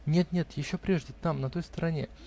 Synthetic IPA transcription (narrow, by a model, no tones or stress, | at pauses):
nʲe̞t̪nʲet̪jɪɕːo̞pɾʲe̞ʐdʲɪt̪amnɐt̪o̞jst̪əɾɐnʲe̞̰